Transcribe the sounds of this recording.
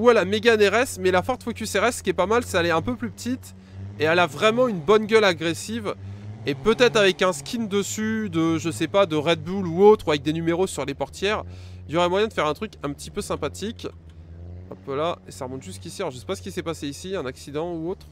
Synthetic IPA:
wɛlameɡaneʁɛsmɛlafɔʁt̪fokʲyseʁɛskʲiɛpamalsɛɛlɛɛ̃pøplypət̪it̪ | eɛlavʁɛmɑ̃ynbɔnɡʲœlaɡʁesivepøt̪ɛt̪χavɛkɛ̃skʰʲind̪əsyd̪əʒəsɛpad̪əʁɛd̪̚buluot̪χuavɛk̚d̪enymeʁosyʁlepɔʁt̪jɛʁiljɔʁɛmwajɛ̃d̪əfɛʁɛ̃t̪χykɛ̃pət̪ipøsɛ̃pat̪ikʲ | ɛ̰̃pølaesaʁəmɔ̃t̪ʒyst̪kisialɔʁʒəsɛ̥pasə̥kʲisɛpaseisiɛ̃naksid̪ɑ̃uot̪χ

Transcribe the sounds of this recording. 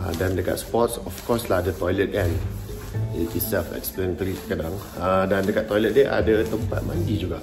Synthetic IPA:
a̰dandəka̰t̪spɔt̚sɔfkɔslaadət̪ɔjlət̪̚kãn | itisɛfɛ̰ksplənt̪əɾiəkədãŋ | adãndəkat̚t̪ːɔjlət̪̚deʔa̰dət̪əmpa̰t̪̚mãndid͡ʒuɡa̰

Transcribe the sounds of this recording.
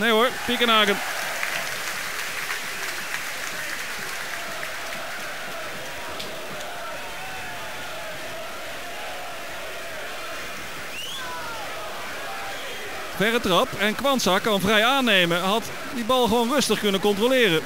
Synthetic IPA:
nejɦoɹpɪkənaːkən | vɛrətrɑpɛnkʋɑntsakɑnvrɛjaːnejməɦɑt | dibɑlˠχəʋownrɵstəχkɵnəkɔntrolɪːrə

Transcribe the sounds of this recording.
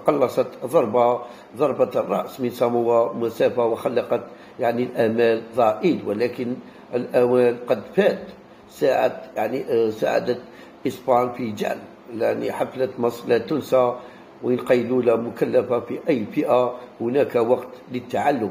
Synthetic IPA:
qɑlːɑsˤɑt̪d̪ˤɑɾˤbɑ | d̪ˤɑɾˤbɑt̪rˤːɑ̰ʔsmənsæmʊwːamæsæfawəxɑlːɑqɑt̪ | jaʕnilʔæmælðˤɑʔilwəlækən | əlʔæwælqɑd̪fæt̪ | saʕa̰t̪jaʕnisa̰ʕa̰d̪ət̪ | ʔəsbɑnfid͡ʒa̰ʕl | laʕniħaflət̪mɑsˤlæt̪ːʊnsa | wənqɑjːlulæmʊkælːæfafiʔæjːfəʔahʊnækawɑqt̪lət̪ːaʕalːʊm

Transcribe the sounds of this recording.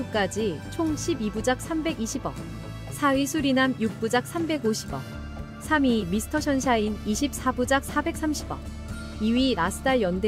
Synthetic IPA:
uk͈ad͡ʑit͡ɕʰoŋɕʰibibud͡ʑak̚s͈ʰambe̞ɡiɕʰibʌ̰ | sʰaɥisʰuɾinamjuk̚p͈ud͡ʑak̚s͈ʰambe̞ɡoɕʰibʌ̰ | sʰamimisʰɯ̥tʰʌɕʰʌnɕʰainiɕʰip̚s͈abud͡ʑak̚s͈ʰabe̞k̚s͈amɕʰibʌ̰ | iɥiɾasʰɯdaɭjʌnde

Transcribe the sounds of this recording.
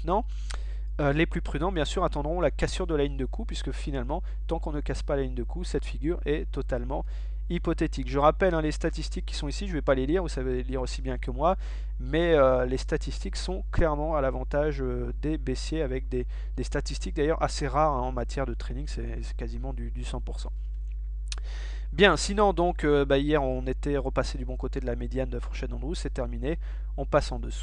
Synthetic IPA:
t̪nɑ̃ | øleplypχyd̪ɑ̃bjɛ̃syʁat̪ɑ̃d̪ʁɔ̃lakasyʁd̪əlaliɲd̪əkupɥiskəfinalmɑ̃ | t̪ɑ̃kɔ̃nəkaspalaliɲd̪əkʰusɛt̪fiɡʲyʁɛt̪ɔt̪almɑ̃ | ipɔt̪et̪ikʒəʁapɛlɛ̃lest̪at̪ist̪ikʲːi̥sɔ̃isiʒəvɛpaleliʁvusaveliʁosibjɛ̃kəmwa | mɛølest̪at̪ist̪iksɔ̃klɛʁmɑ̃alavɑ̃t̪aʒø | d̪ebesjeavɛk̚d̪e | d̪̥est̪at̪ist̪ik̚d̪ajœʁa̰seʁaʁɛ̃ɑ̃mat̪jɛʁd̪ət̪χenĩŋɡsɛ | sɛ̥kazimɑ̃d̪yd̪ysɑ̃puʁsɑ̰̃ | bjɛ̃sinɔ̃d̪ɔ̃købaijɛʁɔ̃net̪ɛʁəpased̪ybɔ̃kot̪ed̪əlamed̪jand̪əfɔʁʃɛd̪ɑ̃d̪ʁusɛt̪ɛʁmine | ɑ̃pasɑ̃d̪əsu̥

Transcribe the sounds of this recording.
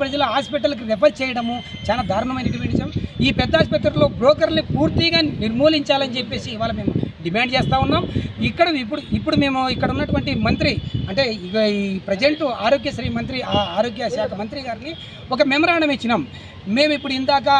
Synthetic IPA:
pɾɐd͡ʒɐlɐɦaːspiʈ̬ɐlk̬iɾɛpʰɐɾt͡ʃɛːjɐɽɐmu | t͡ʃaːlaːd̪ʱaːɾuɳɐmɐjnɐɖimaːɳɖt͡ʃɐmiːpɛd̪ːaːspɐt̪ːɐɾlo̞ːbɾoːkɐɾnipuːɾt̪iɡaːniɾmoːliɲt͡ʃaːlɐnt͡ʃepːe̞ːsiːʋaːlɐmeːmuɖimaːɳɖt͡ʃeːst̪aːunːaːmikːɐɽɐipːuɽuipːuɽume̞ːmuikːɐɽɐunːɐʈuʋɐɳʈimɐnt̪̬ɾiɐɳʈe̞ːipɾɐd͡ʒeɳʈuaːɾoːɡjɐsɾiːmɐnt̪ɾiaaːɾoːɡjɐʃaːkʰɐmɐnt̪ɾiɡaːɾini | ɔkɐmɛmɐɾaːɳɐmet͡ʃːinaːm | meːmuipːuɽuind̪aːk̬ɐ

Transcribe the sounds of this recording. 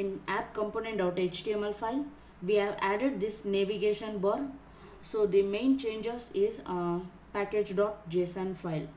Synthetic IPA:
ɪ̃næp̚kə̃mpoːnẽɳʈaʊʈet͡ʃʈiẽmɛlfaɪl | ʋiːhɛʋæɖeɖ̚d̪ɪsneʋiɡeːʃə̃nbəɾ | soːd̪imẽːnt͡ʃẽːnd͡ʒəɾzɪz | pæked͡ʒɖɔːʈ̚d͡ʒeːsə̃nfaɪl

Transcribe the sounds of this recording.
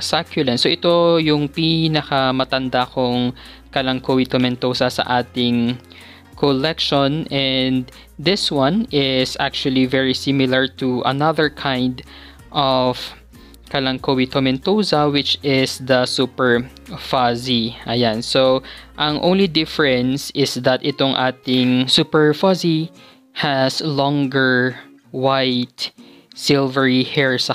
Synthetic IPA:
sakjʊlɛnsoʔɪt̪o̞jʊŋpinɐkɐmɐt̪ɐnd̪akʊŋ | kɐlɐŋkowit̪omɛnt̪osɐsɐ̰ʔaːt̪ɪŋ | kʰolɛkʃɔnɛnd̪ | ðɪswãnɪsak̚t͡ʃuɐlivɛɹisɪmɪlɐɹt̪uʔɐ̰naðəɹkʰãjnd̪ | ʔɔv̥ | kɐlɐŋkowit̪omɛnt̪osɐwɪt͡ʃɪsd̪ɐsupɛɹ | faziʔɐjansoʔɐ̃ŋʔõ̰wnlid̪ɪfɹɛ̃nsɪsd̪ɐt̪ʔɪt̪oŋʔaːt̪ɪŋsupɛɹfɔzi | hɐslɔŋɡɛɹ | wajt̪ | sɪlvɛɹihɛɹsɐ

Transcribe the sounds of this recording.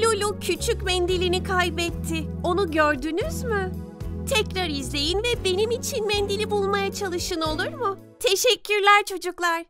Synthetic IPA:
lʲulʲucʰyt͡ʃʰycmɛnd̪ilʲinikʰajbɛt̪ʰːɪ | o̞nuɟøɾd̪ynyzmɯ | t̪ʰɛcɾaɾizlʲe̞jinvɛbe̞nimit͡ʃʰinmɛnd̪ilʲibulˠmajat͡ʃʰalˠɯʃɯno̞lˠuɾmʊ | t̪ʰeʃɛcʰːyɾlʲæɾt͡ʃʰo̞d͡ʒuklˠaɾ̥

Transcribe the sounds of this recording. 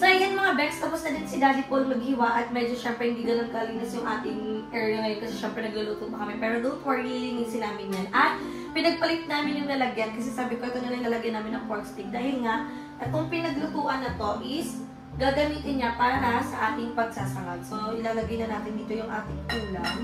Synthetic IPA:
sɐʔɪɡɐnmɐŋabɛkst̪ɐpʊsnɐd̪ɪnsɪd̪aːd̪ɪpolmɐɡ̚hɪwaʔɐt̪̚mɛd͡ʒoʃɛmpɾɛhɪnd̪iɡɐnonkɐʔɐlinɐsjʊŋʔaːt̪ɪŋʔɛɹɐŋɐjkɐsɛʃɛmpɾɛnɐɡlʊluːt̪up̪ɐkɐmɛpɛːɾod̪ʊnfoɹnilɪŋisɪnaːmɪnɲanʔɐt̪̚ | pɪnɐɡ̚pɐlɪt̪̚naːmɪnjʊŋnɐlɐɡjɐnkɐsɛsaːbɪkoɡɐnɐnojnɐlɐɡajɐnːaːmɪnɐŋpoɹk̪st̪ɪk̚d̪aːhɪlŋaʔ | ɐkʊŋpɪnɐɡlʊt̪uːʔɐnːɐt̪o̞ʔɪs | ɡaːɡɐmiːt̪ɪnɲapaːɾɐnasɐʔaːt̪ɪŋpɐɡsaːsɐka̰t̪soʔɪlaːlɐɡajnɐnaːt̪ɪnd̪iːt̪ojʊŋʔaːt̪ɪŋʔuːlaŋ

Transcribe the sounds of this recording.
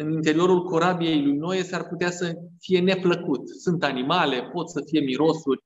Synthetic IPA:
ɨnint̪e̞ɾio̞ɾulko̞ɾabije̞jlujno̞jesarput̪easəfije̞ne̞pləkut̪sunt̪animale̞po̞t̪səfije̞miɾo̞surʲ

